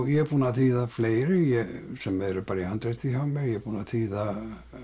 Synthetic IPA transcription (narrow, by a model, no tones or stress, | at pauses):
jɛpunaθiːðaflejɾɪjɛsɛmɛɾpaɾiant̪ɾɛt̪iɦamɛɾjɛpunaθiːða